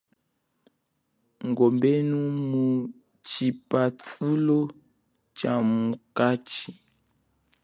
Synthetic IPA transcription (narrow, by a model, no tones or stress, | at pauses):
ŋɡɔmbɛnumu | t͡ʃipatulɔ | t͡ʃamukat͡ʃi